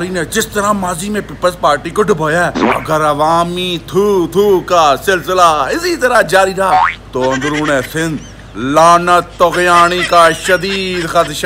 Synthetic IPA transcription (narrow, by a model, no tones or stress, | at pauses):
ɾiːned͡ʒɪst̪əɾãːmaːziːmẽːpiːpəlzpaːɾʈiːkʊɖbʱoːjaɛɐ̰ɡəɾɐʋaːmiːt̪ʰuːt̪ʰuːkaːsɪlsɪlaːɪsiːt̪əɾãːd͡ʒaːɾiːɾaːt̪oːɐ̃nd̪ɾuːnɛsɪnd̪ | laːnət̪ːoɣjaːɽ̃iːkaːʃəd̪iːd̪xət̪ʃa